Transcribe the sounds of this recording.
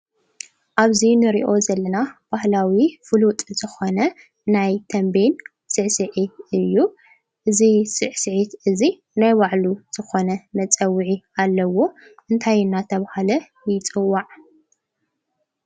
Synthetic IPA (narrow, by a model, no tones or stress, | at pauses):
ʔaβzinɨɾḭʔo̞zɐlːɐnab̥ahlawifɨlut̪ʼzɨxo̞nɐ | najt̪ʰɐmben | sɨʕsɨʕiɨjːu | ʔɨzisɨʕsɨʕit̪ʔɨzi | najbaʕluz̥ɨxo̞nɐmɐt͡sʼɐwɨʕialːɐwo̞ | ʔɨnt̪ʰajnːat̪ʰɐβahalɐ | jɪt͡sʼɨwːaʕ